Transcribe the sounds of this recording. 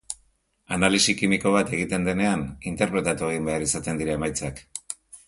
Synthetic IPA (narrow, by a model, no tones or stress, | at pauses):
analisikimiko̞β̞at̪e̞ɣ̞it̪e̞nd̪e̞ne̞anint̪e̞ɾpɾe̞t̪at̪ue̞ɣ̞imbe̞aɾisat̪e̞nd̪iɾae̞majt͡sak